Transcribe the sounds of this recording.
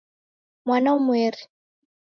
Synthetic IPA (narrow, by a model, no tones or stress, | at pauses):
mwanaumweːɾi̥